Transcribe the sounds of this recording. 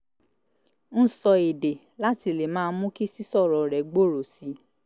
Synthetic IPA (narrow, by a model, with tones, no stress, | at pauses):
n̩˦sɔ˧e˨de˨ | la˦ti˧le˨mãː˦˧˦mũ˦ki˦si˦sɔ˦˨ɾɔ˨ɾɛ˨ɡ͡bo˦˨ɾo˨si˨˦